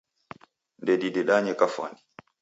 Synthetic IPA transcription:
ndɛdiɗɛɗaɲɛkafa̰ndi

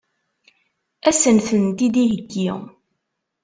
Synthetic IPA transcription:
æsənθənt̪id̪iɦəɡːi

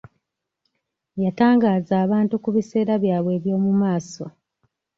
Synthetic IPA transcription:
jataːŋɡaːzaːβaːntukuβise̞ːɾaβjaːβwe̞ːβjo̞ːmumaːso̞

